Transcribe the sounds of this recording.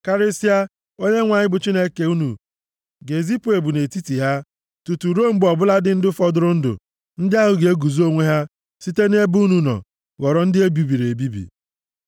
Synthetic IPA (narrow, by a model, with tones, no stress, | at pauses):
ka˦ɾe˦si˦a˦ | o˦ɲe˦ŋʷa˨ɲɪ˦bʊ˨t͡ʃi˦ne˦ke˨u˦nṵ˨ | ɡe˨zi˦pu˨˦e˨bu˨ne˨ti˦ti˨ɦa˦ | tu˨tu˨ɾo˦˨m̩˦bɔ˨bʊ˦la˦dɪ˦n̩˦dʊ˦fɔ˦dʊ˦ɾʊ˦n̩˦dʊ̰˨ | n̩˦dɪ˦a˦ɦʊ˨ɡe˨e˦ɡu˨zo˦ŋʷe˦ɦa˦ | si˦te˦n˦e˦bu˦nu˨nɔ̰˨ | wɔ˨ɾɔ˨n̩˦dɪ˦e˦bi˨bi˨ɾe˨bi˦bḭ˨